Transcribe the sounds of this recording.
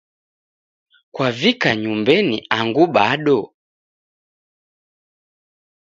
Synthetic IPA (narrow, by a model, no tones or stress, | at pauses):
kwavikaɲumbɛniaŋɡuɓaɗɔ